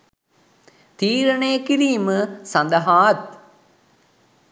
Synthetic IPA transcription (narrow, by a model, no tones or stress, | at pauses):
t̪iːɾɐɳejkiɾiːmɨsɐ̃nd̪ɐɦaːt̪̚